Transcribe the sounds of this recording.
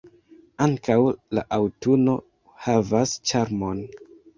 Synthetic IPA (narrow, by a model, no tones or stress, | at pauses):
aŋkawla̰ʔawtuno̞ | havast͡ʃaɾmo̞n